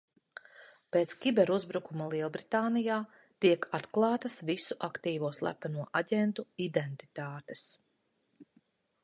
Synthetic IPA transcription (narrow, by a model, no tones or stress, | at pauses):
peːt̪skʲibɛɾuzbɾukumɐlˠiɛlˠbɾit̪aːnijaː | t̪iɛkʰat̪klˠɑːt̪ɐsvisuʔakt̪iːvuɔslˠæ̰panuɔʔaɟʲɛnt̪uid̪ent̪i̥t̪aːt̪es